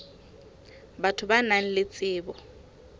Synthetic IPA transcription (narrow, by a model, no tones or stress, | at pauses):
batʰʊbanaŋ̩lɪt͡sʼɪːbɔ